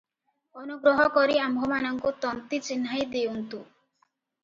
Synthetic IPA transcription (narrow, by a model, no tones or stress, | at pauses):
ɔnuɡɾɔɦɔkɔɾiambʱɔmanɔŋkut̪ɔnt̪it͡ʃinɦajd̪eunt̪u